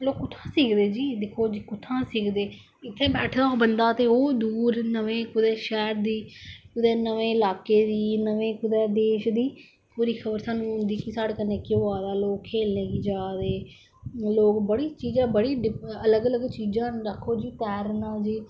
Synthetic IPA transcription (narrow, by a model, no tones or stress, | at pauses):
loːkːʊt̪ʰːãːsiːkd̪eːd͡ʒiːd̪ɪkʰoːd͡ʒiːkʊt̪ʰːãːsɪkd̪eː | ɪt̪ʰːeːbɛːʈʰd̪aːoːbənd̪aːt̪eːoːd̪uːɾnəʋẽːkʊd̪ɛːʃɛːɾd̪iːkʊd̪ɛːnəʋẽːɪlaːkeːd̪iːnəʋẽːkʊd̪ɛːd̪eːʃd̪iː | puːɾiːkʰəbəɾsãːnũːɦʊnd̪iːkɪsaːɽkəneːkɪoːaːd̪aːloːkkʰːeːlnẽːɡiːd͡ʒaːd̪eː | loːkbəɽiːt͡ʃiːd͡ʒãːbəɽiːɖɪələɡələɡt͡ʃiːd͡ʒãːɾəkʰːoːd͡ʒiːt̪ɛːɾnãːd͡ʒiː